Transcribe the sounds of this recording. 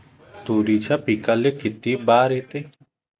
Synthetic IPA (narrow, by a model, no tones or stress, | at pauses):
t̪uːɾit͡ʃʰapiːkalekɪt̪iːbaːɾeːt̪eː